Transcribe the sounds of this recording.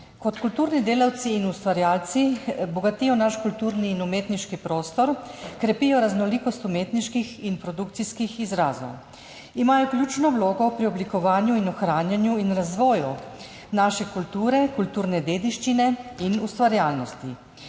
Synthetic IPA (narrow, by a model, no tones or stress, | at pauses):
kɔt̪kult̪uːɾnid̪eːlawt̪siːnust̪ʋaɾjaːlt̪sibɔɡat̪ijɔnaʃkult̪uːɾniːnumeːt̪niʃkipɾoːst̪ɔɾkɾɛpijɔɾaznɔliːkɔst̪umeːt̪niʃkixinpɾɔd̪ukt̪siskixizɾaːzɔ̰w | imaːjɔklʲjuːt͡ʃnɔwloːɡɔpɾiɔblikɔʋaːnjuinɔxɾaːnjanjuinɾazʋɔːju | naʃɛkult̪uːɾɛkult̪uːɾnɛd̪eːd̪iʃt͡ʃinɛinust̪ʋaɾjaːlnɔst̪i